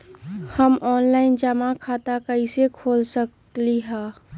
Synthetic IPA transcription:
həmɔːnlaːɪnd͡ʒəmakʰaːt̪akəisekʰoːlsəkliɦaː

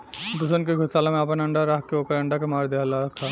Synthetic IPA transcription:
d̪ʊsənkeɡʱʊsaːlemẽɐpənɐ̃ɳɖaɾaɦkeoːkəɾɐ̃ɳɖakemaːɾd̪eːlaːɾk̪ʰːa

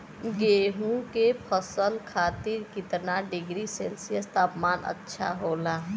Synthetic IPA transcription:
ɡeːɦũkepʰəsəlkʰaːt̪iɾkɪt̪naɖɪɡɾiselsijəst̪aːpmaːnə̰tːʃʰa̰ɦolaː

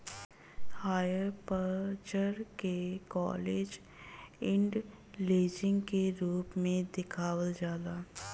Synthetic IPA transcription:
haːjəɾpət͡ʃəɾkekɔ̰ːleːd͡ʒ | ɪ̃ɳɖ | leːd͡ʒɪ̃ŋɡkeɾuːpmẽd̪ɪkʰaːwəld͡ʒaːd̪aː

